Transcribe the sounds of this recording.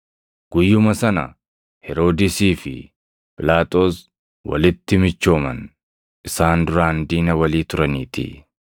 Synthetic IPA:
ɡ̥ʊjːʊmɐsɐnɐ̰ | hɛɾo̞ːd̪ɪsiːfɪ̰ | pʼɪlaːt̪ʼo̞ːs | wɐ̰lɪt̪ːɪmɪt͡ʃːo̞ːmɐn | ʔɪsaːnd̪ʊɾaːnd̪iːnɐwɐliːt̪ʊɾɐniːt̪ʰɪ̰

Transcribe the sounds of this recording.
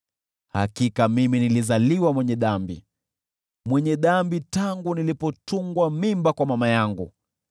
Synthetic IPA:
ha̰kikamiminilizaliwamwɛɲɛɗambḭ | mwɛɲɛɗambitaŋɡunilipɔtuŋɡwamimbakwamamajaŋɡṵ

